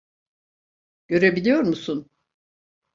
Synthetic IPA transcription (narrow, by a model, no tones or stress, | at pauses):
ɟ̥ø̞ɾebilʲijo̞ɾmusun